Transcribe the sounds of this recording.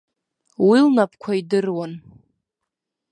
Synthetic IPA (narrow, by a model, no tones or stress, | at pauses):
wilnap̚ʰkʷʰaidɨrwan